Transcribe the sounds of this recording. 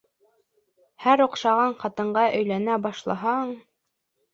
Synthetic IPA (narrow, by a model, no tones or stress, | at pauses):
hæɾŏqʃɑʁɑɴqɑt̪ɤ̆ɴɢɑʔɵ̆jlænæbɑʃlˠɑɦɑɴ